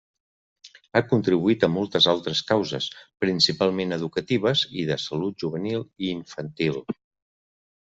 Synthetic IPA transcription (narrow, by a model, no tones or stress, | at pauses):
akunt̪ɾiβuit̪əmɔlˠt̪əzalˠt̪ɾəskawzə̰spɾinsipalˠmenəðukət̪iβ̞əziðəsəlut̪̚ʒuβ̞ənilˠiːɱfənt̪ilˠ